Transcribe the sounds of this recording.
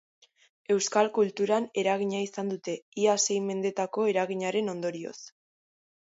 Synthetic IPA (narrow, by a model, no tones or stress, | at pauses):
e̞wskalkult̪uɾane̞ɾaɣ̞iɲaisand̪ut̪e̞iase̞jme̞nd̪e̞t̪ako̞e̞ɾaɣ̞iɲaɾe̞no̞nd̪o̞ɾio̞̰s